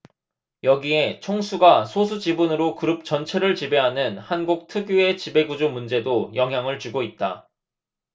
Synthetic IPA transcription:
jʌɡie̞t͡ɕʰʌŋsʰuɡasʰosʰud͡ʑibunɯɾokɯɾɯp̚t͡ɕʌnt͡ɕʰe̞ɾɯɭt͡ɕibe̞ɦanɯnhanɡuk̚tʰɯɡjue̞t͡ɕibe̞ɡud͡ʑomund͡ʑe̞dojʌŋɦjaŋɯɭt͡ɕuɡoit̚t͈a

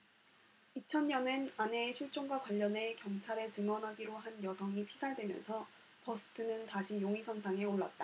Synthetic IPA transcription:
it͡ɕʰʌnɲʌnɯnane̞ɕʰiɭt͡ɕ͈oŋɡwakwaʎːʌne̞kjʌŋt͡ɕʰaɾet͡ɕɯmʌnɦaɡiɾoɦanjʌsʰʌŋipʰisʰaɭdwe̞mjʌ̰nsʰʌ | pʌsʰɯ̥tʰɯnɯntaɕʰijoŋisʰʌnsʰaŋe̞oɭːa̰t̚t͈a

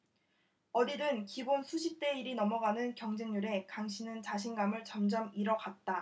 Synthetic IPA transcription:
ʌdidɯnkibonsʰuɕʰip̚t͈e̞iɾinʌmʌɡanɯnkjʌŋd͡ʑeŋɲuɾe̞kaŋɕʰinɯnt͡ɕaɕ̬ʰinɡamɯɭt͡ɕʌmd͡ʑʌmiɾʌɡat̚t͈a

